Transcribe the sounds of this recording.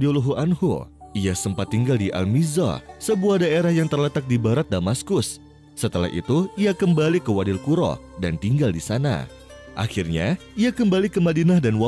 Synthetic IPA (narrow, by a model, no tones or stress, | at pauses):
ioluɦuʔanhṵiasəmpat̪ːiŋɡaldiʔa̰lmizɔ̰səbuahdaeɾahjaŋt̪ərlət̪ak̚dibaɾat̪̚damaskʊsː | ət̪əla̰hʔḭt̪uiakəmbalikəwadɪlkuɾɔ̰ | dant̪iŋɡaldisana̰ | ʔa̰xirɲa̰iakəmbalikəmadinahdanwa